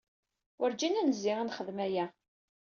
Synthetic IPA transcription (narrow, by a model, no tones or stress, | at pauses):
wʔəɾd͡ʒinænəzːɪʁanχəðmæjæ